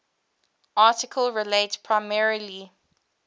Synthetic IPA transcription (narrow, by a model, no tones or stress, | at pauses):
ʔɑːˑtɪkʰəlɹileɪtpʰɹaɪmɛɹəli